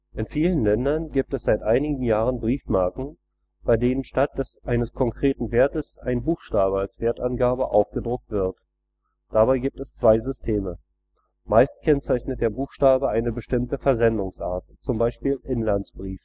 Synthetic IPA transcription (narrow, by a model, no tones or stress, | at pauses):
ʔɪnfiːlənlɛndɐnɡiːp̚tɛsz̥aɪtʔaɪnɪɡŋ̩jaːʁənbʁiːfmaɐkŋ̩ | b̥aɪdeːnənʃtat̚d̥ɛsʔaɪnəskʰɔŋkʁ̥eːtn̩veːɐtəsʔa̰ɪnbuːxʃtaːbəalsv̥eːɐtanɡaːbəʔaʊfɡ̥ədʁʊk̚tv̥ɪɐt | d̥abaɪɡiːp̚tɛst͡sv̥aɪzʏstʰeːmə | maɪstkʰɛnt͡saɪçnət̚d̥eːɐbuːxʃtaːbəaɪnəbəʃtɪmtəfɛɐzɛndʊŋsʔa̰ːɐt̚t͡sʊmbaɪʃpiːlʔɪnlansb̥ʁiːf